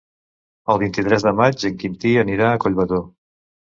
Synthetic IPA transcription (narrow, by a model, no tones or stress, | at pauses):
əlˠβ̞int̪it̪ɾɛzðəmad͡ʒəŋkint̪iəniɾaəkoʎβəðo